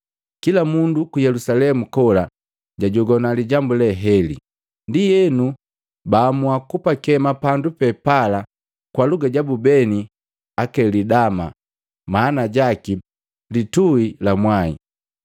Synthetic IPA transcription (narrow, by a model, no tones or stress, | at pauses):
kilamundukujɛlusalɛmukɔla | ɟaɟɔɡɔnaliɟambulɛɦɛlḭ | ndijɛnu | baːmuakupakɛmapandupɛpala | kwaluɡaɟabubɛni | akɛlidama | maːnaɟaki | lituilamwaḭ